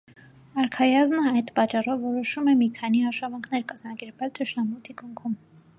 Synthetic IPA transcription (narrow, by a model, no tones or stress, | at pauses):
ɑɾkʰɑjɑznəɑjd̪pɑt͡ʃːɑrɔvːɔɾɔʃumɛmikʰɑniɑʃɑvɑŋkʰn̪ɛɾkɑzmɑkɛɾvɛlt̪ʰəʃnɑmut̪ʰikuŋkʰum